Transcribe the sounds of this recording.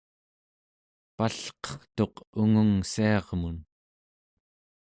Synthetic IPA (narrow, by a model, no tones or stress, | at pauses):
paɬqʌ̥χt̪o̞quŋəŋsiɑʁmun